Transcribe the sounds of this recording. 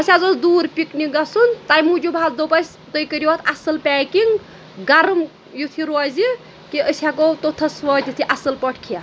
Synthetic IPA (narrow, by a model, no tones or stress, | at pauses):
ɐsʲazosd̪uːɾpʲikniɡɐsunt̪ajmud͡ʒubʱazd̪opɐsʲ | t̪ojkəɾiʋɐt̪ʰɐsɐlpɛːkiŋɡ | ɡɐɾɐm | jut̪ʰiɾɔzi | kiəsʲakot̪ot̪ʰɐsʋɔːt̪ʲit̪ʰiʔɐsɨlpɐʈʰkʰija